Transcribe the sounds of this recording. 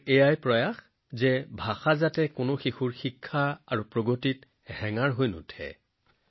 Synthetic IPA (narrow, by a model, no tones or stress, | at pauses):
ejajpɹɔjax | zɛbʱaxazatɛkʊnʊxixuɹxikʰːaaɹupɹoɡotit | hɛŋaɹɦojnʊ̰tʰɛ̰